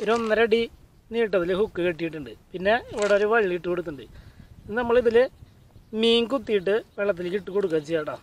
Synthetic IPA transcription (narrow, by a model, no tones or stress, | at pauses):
oɾonːɐɾɐɽi | niːʈːɐðilhukːɨkɐʈːijiʈːuɳɖɨpinːe̞ːʋiɽɐoɾuʋɐɭiliiʈːɨkoɽut̪ːuɳɖɨ̰ðɨnɐmːɐɭiðil | miːŋkut̪ːijiʈːɨʋeɭːɐt̪̬ːiliʈːɨkoɽuk̬ːɐt͡ɕːijaːɽaː